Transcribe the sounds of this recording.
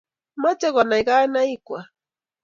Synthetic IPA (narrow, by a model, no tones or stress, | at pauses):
mat͡ʃawanajɢanajkwa